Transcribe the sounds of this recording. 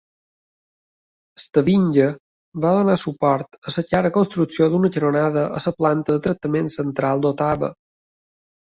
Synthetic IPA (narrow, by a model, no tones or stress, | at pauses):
əst̪əβiɲɟə | βaðonasupɔɾt̪əsəkaɾəkonst̪ɾuksiod̪unəcəɾonaðəʔəsəplant̪əðət̪ɾək̚t̪ːəmensənt̪ɾalˠd̪ot̪aβə̰